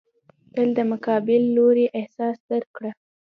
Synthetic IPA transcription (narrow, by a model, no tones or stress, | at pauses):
t̪əld̪əmʊkɑbɪlːoɾeʔɪhsɑsd̪əɾkɽa